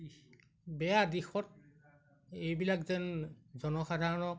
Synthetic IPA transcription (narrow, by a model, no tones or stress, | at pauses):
bɛjadixɔt̚ | ejbilakzɛnzɔnɔxadʱaɹɔnɔk